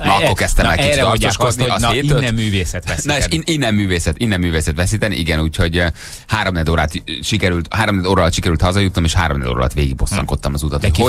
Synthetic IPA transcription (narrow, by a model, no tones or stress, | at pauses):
nɒkːo̞rkɛst̪ɛmmɛlkɛɛt̪ɒrot̪oːʃod̪niɒneːt̪øt̪myːveːsɛt̪ʋɛnɒeːʃiinːɛmːyːveːsɛt̪inːɛmːyːveːsɛt̪ʋɛsit̪ɛnḭʔiɡɛnuːcho̞ɟ | haːɾomnɛd̪oːɾaːt̪ʃikɛɾylt̪haːɾomnɛd̪oːɾɒlɒt̪ʃikɛɾylt̪hɒzɒjut̪omeːʃha̰ːɾomnɛ̰d̪o̰ːɾɒ̰lɒ̰t̪ʋeːɡḭɡ̚bo̞sːɒ̰ŋko̞t̪ːɒmɒzut̪ɒt̪o